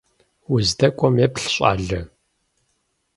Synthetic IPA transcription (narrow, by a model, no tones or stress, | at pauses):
wʊzdɐkʷʼɔmjepɬɕʼa̰ːɮɨ